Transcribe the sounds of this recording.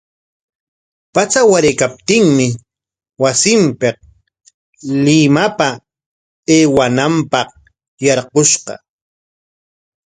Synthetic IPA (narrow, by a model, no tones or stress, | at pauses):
pat͡sawaɾɪkap̚t̪ɪŋmɪ | wasɪmpeq̚ | lɪmapa | eːwanampɑq | jɑɾqoʃqɑ̰